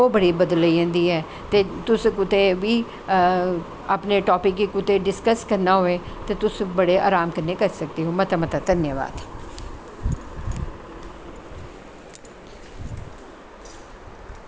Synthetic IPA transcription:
oːbəɽibəd̪ləiə̃ːnd̪iːɦɛː | t̪eːt̪ʊskʊt̪eʋiː | əpneʈɔːpɪkːikʊt̪eɖɪskəskəɾnaɦoːeːt̪eːt̪ʊsbəɽeʔa̰ːɾaːmkəɾnekəɾsək̚t̪eːɦoːmət̪amət̪əd̪ənjəʋa̰ːd̪

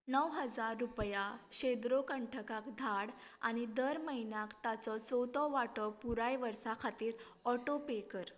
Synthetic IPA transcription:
nəwɦəd͡zaɾːupjaɕed̪ɾokəɳʈʰəkakd̪ʱaɽ | a̰ñid̪əɾməɦinjakt̪at͡sɔt͡sot̪ɔʋaʈɔpuɾajʋəɾsakʰat̪iːɾ | ɔʈopekəɾ

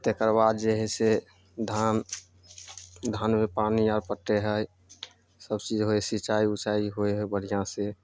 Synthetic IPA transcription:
t̪ekəɾbad̪d͡ʒeɦɛse | d̪ʱan | d̪ʱanmepaniaɾpəʈːeɦəj | səbt͡ʃid͡ʒɦoesit͡ʃaiut͡ʃaiɦoeɦɛbəɽ̤ijãse

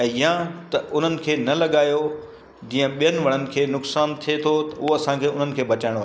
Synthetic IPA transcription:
ɛ̃ːjãt̪ɐʔʊn̤ənɪ̆kʰeːnɐlɐɠaːjo | d͡ʑĩːə̃ɓijənɪ̆ʋɐɽ̃ənɪ̆kʰeːnʊksaːnt̪ʰiet̪ʰot̪ɐʊɦoɐsãkʰeːʊn̤ənɪ̆kʰeːbɐt͡ɕaːɪɽ̃oaː

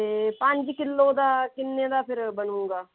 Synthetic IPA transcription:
t̪eːpə̃ɲd͡ʒkɪlːoːd̪aːkɪnːeːd̪aːpʰɪɾbənũːɡaː

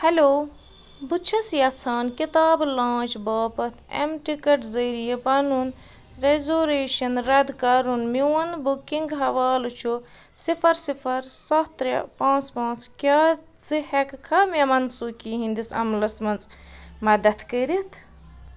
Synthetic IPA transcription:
hɐloː | but͡ʃʰɐsjɐt͡sʰaːnkit̪aːblãːt͡ʃbaːpɐt̪ʰḛmʈikɐʈzɐːɾijɐpɐnun | ɾezoːɾeːʃɐnɾɐd̪kɐɾunmiwɐnd̪bukiŋɡɦɐʋaːlut͡ʃʰu | sifʰɐɾsipʰɐɾsɐt̪ɾɐ̰pãːt͡spãːt͡skʲaː | t͡sɨhekkʰɐmemɐnsukiɦĩnd̪isɐ̰mlɐsmɐnt͡s | mɐd̪ɐt̪ʰkəɾit̪ʰ

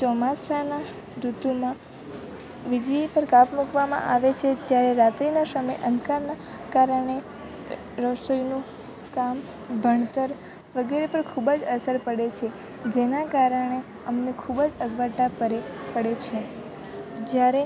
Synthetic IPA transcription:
t͡ʃɔmasana | ɾut̪umã | ʋɪd͡ʒipəɾkapmukʋamã̰ʔaʋet͡ʃʰet̪jaɾeɾat̪ɾinasəməjʔə̃nd̪ʱkaɾna | kaɾəɳe | ɾəʃojnũ | kam | bʱəɳ̃t̪əɾ | ʋəɡeɾepəɾkʰubd͡ʒəsəɾpəɽet͡ʃʰe | d͡ʒenakaɾəɳe | əmnekʰubəd͡ʒəɡʋaʈapəɾepəɽet͡ʃʰe | d͡ʒjaɾe

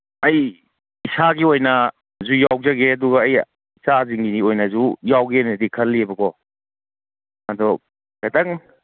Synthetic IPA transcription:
ɐj | isaɡiojnɐ | zujawzɐɡeɐduɡɐːj | isaziŋɡiniojnɐzujawɡeniɐdikʰɐlːibɐkɔ | ɐdɔ | ɡɐtɐŋ

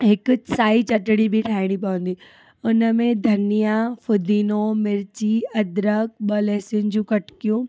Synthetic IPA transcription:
ɦɪkʊsaːit͡ɕɐʈɽ̃ibʱiʈʰaːɦɪɽ̃ipɐʋə̃n̆d̪iː | ʊnəmẽd̪ʱɐnijafʊd̪ʱiːnomɪɾt͡ɕiɐd̪ɾək̚ɓəlɛːsiʊnɪ̆d͡ʑũːkɐʈkijũ

